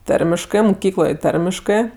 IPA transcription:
ˈtɐrʲmʲɪʃkɜ mʊˈkʲiːklˠoːj ˈtɐrʲmʲɪʃkɜ

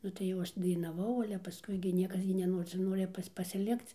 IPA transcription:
ˈnʊ tɐɪ jɛʊ ˈɐʃ dɐɪnɐˈʋɐʊ ˈɑːlʲɛ pɐˈskʊɪ ɡʲɪ ˈnʲiɛkɐs ɡʲɪ nʲɛˈnoːrʲɪ t͡sʲɛ ˈnoːrʲɪ ˈpɐsʲ pɐsʲɪˈlʲɪkt͡s

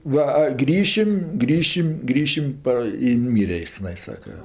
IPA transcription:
ˈʋɐ ɐ ˈɡrʲiːʃʲɪm ˈɡrʲiːʃʲɪm ˈɡrʲiːʃʲɪm ˈpɐ ɪ nʊˈmʲiːrʲɛ ˈɪs tʲɛˈnɐɪ ˈsɑːkɐ

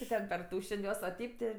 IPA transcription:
ɪ ˈtɐt pʲɛrˈtuːʃʲɛnʲ ˈjuɔs ɐ ˈtʲɛɪp tʲɪ

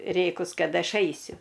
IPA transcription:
ˈrʲeːkʊs ˈkɐt ˈɐʃ ˈɐɪsʲʊ

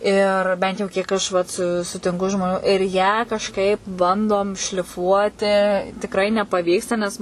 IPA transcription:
ɪr ˈbʲɛnt jɛʊ kʲiɛk ˈɐʃ ʋɐt sʊ sʊtʲɪŋˈkʊ ʒmoːˈnʲuː ɪr jæː kɐʃˈkɐɪp ˈbɐndoːm ʃʲlʲɪˈfuɔtʲɪ tʲɪkˈrɐɪ nʲɛpɐˈʋʲiːkstɐ nʲɛs

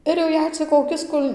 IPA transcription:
ɪr jɛʊ ˈjɛɪ t͡sʲɪk koːˈkʲɪs ˈkʊlʲ

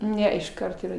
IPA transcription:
ˈnʲɛ ɪʃˈkɐrt iːˈrɐ

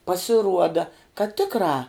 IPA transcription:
pɐsʲɪˈruɔdɐ kɐt ˈtʲɪkrɑː

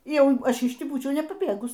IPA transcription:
ˈjɛʊ ˈɐʃ ɪʃ ˈtʲiː ˈbuːt͡ʃʲɛʊ nʲɛpɐˈbʲeːɡʊs

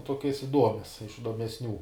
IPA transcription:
ˈtuɔkʲɛs ɪˈduɔmʲɛs ɪʃ ɪdoːmʲɛsʲˈnʲuː

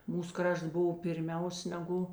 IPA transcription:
ˈmuːs ˈkrɐʃts ˈbʊw pʲɪrʲˈmʲɛʊs nʲɛˈɡʊ

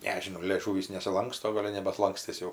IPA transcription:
ˈnʲæːʒʲɪnɐʊ lʲeːˈʒuːʋʲiːs nʲɛsʲɪˈlˠɐŋkstoː ˈɡoːlʲ jɛʊ nʲɛbɐtlˠɐŋkˈsʲtʲɪs jɛʊ

